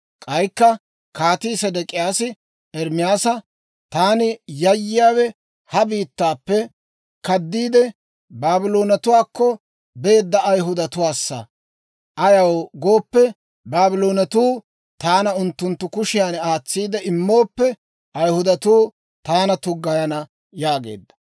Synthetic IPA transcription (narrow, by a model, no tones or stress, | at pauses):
kʼɐjkːɐ | kaːt̪iːsɐd̪ɛkʼɪjaːsɪ | ɛɾmɪjaːsɐ | t̪aːnɪjɐjːɪjaːwɛ | hɐbiːt̪ːaːpːɛ | kɐd̪ːiːd̪ɛ | baːbɪlo̞ːnɐt̪ʊwaːkːɔ | be̞ːd̪ːɐʔɐjɦʊd̪ɐt̪ʊwaːsːɐ̰ | ʔɐjɐwɡo̞ːpːɛ | baːbɪlo̞ːnɐt̪uː | t̪aːnɐʊnt̪ːʊnt̪ːʊkʊʃɪjaːnaːt͡sːiːd̪ɛɪmːo̞ːpːɛ | ʔɐjhʊd̪ɐt̪uː | t̪aːnɐt̪ʊɡːɐjɐnɐ | jaːɡe̞̰ːd̪ːɐ̥